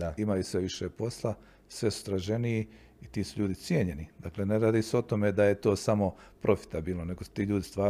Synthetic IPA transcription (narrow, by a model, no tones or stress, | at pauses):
aimajusʋeʋiʃepo̞slˠa | sʋe̞su̥t̪ɾaʒe̞niji | it̪iːsuʎuːd̪it̪sjeɲe̞nid̪aːkle̞ːneɾaːd̪iːseo̞t̪o̞me̞d̪aje̞t̪o̞ːsamo̞pɾo̞fi̥t̪abiːlˠnone̞ɡost̪iːʎuːd̪ist̪ʋaː